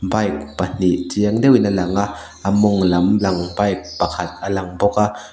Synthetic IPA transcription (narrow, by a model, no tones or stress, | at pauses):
bajk̚pɐn̥iʔt͡siəŋdɛwinɐlaŋa | ʔamɔŋlɐmlɐŋbajk̚pɐkʰat̪̚ʔɐlaŋbɔka